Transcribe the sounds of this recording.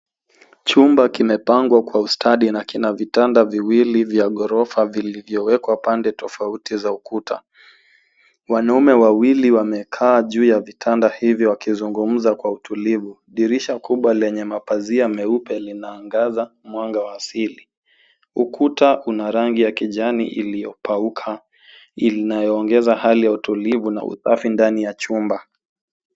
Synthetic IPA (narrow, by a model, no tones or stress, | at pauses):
t͡ʃumbakimɛpaŋɡwakwaustaɗinakinavitandaviwilivjaɠɔɾɔfavilivjɔwɛkwapandɛtɔfautizaukutʰa̰ | wanaumɛwawiliwamɛkʰaːʄuːjavitʰandahivjɔwakizuŋɡum̩zakwautʰulivu | ɗiɾiʃakuɓwalɛɲɛmapaziamɛupɛlinaːŋɡazamwaŋɡawaːsili | ukutaʔunaɾaŋɡijakiʄanḭʔḭlijɔ̰paukʰa | ilinajɔːŋɡɛzahalijautulivuna̰ʔṵsa̰findanijat͡ʃumba